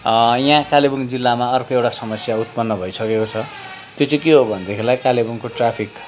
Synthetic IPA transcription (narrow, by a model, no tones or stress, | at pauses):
jãkalebuŋd͡zilːamaʌrkoewʈasʌmʌsjaut̪̚pʌnːʌbʱʌjsʌkekot͡sʰʌ | t̪jot͡sʌ̃keɦobʱʌnd̪ekʰelajkalebuŋkoʈrapʰik